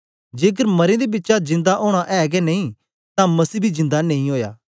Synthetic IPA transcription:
d͡ʒeːk̬əɾmɐɾẽd̪ebɪtːʃazɪ̃nd̪aʔoːɽ̃aʔɛːɡɛnɐĩ | t̪ãmɐsiːbʱizɪ̃nd̪anɐ̃ĩɦoːja̰ː

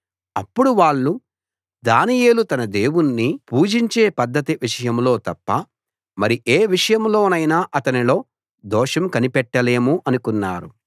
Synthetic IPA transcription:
ɐpːuɽuʋaːɭːu | d̪aːnije̞ːlut̪ɐnɐd̪e̞ːwunːipuːd͡ʒiɲt͡ʃe̞ːpɐd̪ʱːɐt̪iʋiʂɐjɐmlo̞ːt̪ɐpːɐ | mɐɾiʔeːʋiʂɐjɐmlo̞ːnɐjnaːʔɐt̪ɐnilo̞ː | d̪ɔːʂɐmkɐnipɛʈːɐle̞ːmuʔɐnukunːaːɾu

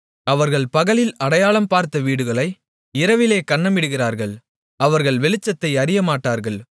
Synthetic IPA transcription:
ɐʋɐɾɣɐɭpɐɣɐɭɪlɐɽɐjaːɭɐmpaːɾt̪ɐʋiːɽɯɣɐɭɐɪ | ɪɾɐʋɪleːkɐɳːɐmɪɽɯɣɪraːɾɣɐɭ | ɐʋɐɾɣɐɭʋɛɭɪt͡ʃːɐt̪ːɐɪɐɾɪjɐmaːʈːaːɾɣɐɭ

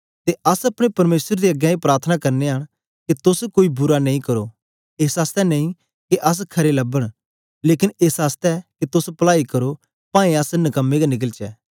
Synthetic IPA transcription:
t̪eɐsɐpɽ̃epɐɾmeːsəɾd̪eɐɡjɛ̃ipɾaːɾt̪ʰənakɐɾneɦəɽ̃ | ket̪ʊskoːibʊɾanɐ̃ĩkɐɾoː | eːsaːst̪ɛnɐĩ | keʔɐs̬kʰɐɾelɐbəɽ̃ | leːkɪneːsaːst̪ɛket̪ʊspɐlaːikɐɾo | pãːẽɐsnɐkəmːeɡanɪk̬əlt͡ʃɛ̰ː

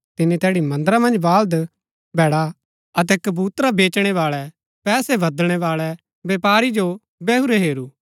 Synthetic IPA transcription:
t̪ɪnĩt̪ɛːɽimɐ̃nd̪əɾamɐ̃nd͡ʒʋaːld̪ | bʱɛːɽa | ɐt̪̬ɛkɐbuːt̪ɾabeːt͡ʃɽ̃ɛʋaːɭɛ | pɛːsɛbɐd̪ɽ̃ɛʋaːɭɛ | beːpaːɾid͡ʒo | bɛːɦuɾɛɦeːɾuː

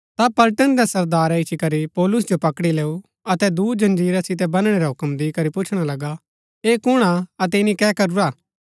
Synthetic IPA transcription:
t̪apɐlʈənd̪ɛsɐɾd̪aːɾaɪt͡ʃikɐɾipɔːlʊs̬d͡ʒopɐkɽileːu | ɐt̪ɛd̪uːd͡ʒɐ̃nd͡ʒiːɾasɪt̪ɛbɐnɽ̃eɾaɦʊkəmd̪ikɐɾipʊt͡ʃʰɽ̃alɐɡa | eːkʊɽ̃aɐt̪̬ɛɪnikɛːkɐɾuɾaː

